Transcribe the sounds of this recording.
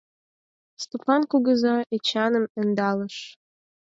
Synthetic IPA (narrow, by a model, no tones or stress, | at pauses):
st̪upɑnkuɣə̆zɑet͡ɕɑnə̆mə̆nd̪ɑlə̆ʃ